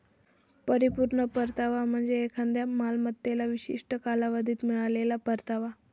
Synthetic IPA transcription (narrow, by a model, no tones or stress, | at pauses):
pəɾipuɾɳəpəɾt̪aʋam̤əɳd͡zeːkʰãnd̪jamalmət̪ːelaʋiɕḭʂʈəkalaʋəd̪ʱiːt̪miɭalelapəɾt̪aʋa